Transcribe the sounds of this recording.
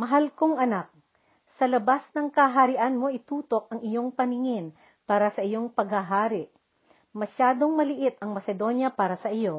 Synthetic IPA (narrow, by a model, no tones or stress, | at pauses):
mɐɦalkoŋʔɐnak̚ | sɐlɐbasnɐŋkɐɦɐɾɪʔanmo̞ʔɪt̪uːt̪o̞k̚ʔɐŋɪjo̞ŋpɐnɪŋɪn | paːɾɐsɐʔɪjo̞ŋpɐɡhɐɦaːɾɪʔ | mɐʃaːd̪o̞ŋmɐlɪʔɪt̪̚ɐŋmɐsɛd̪o̞njɐpaːɾɐsɐʔɪjo̞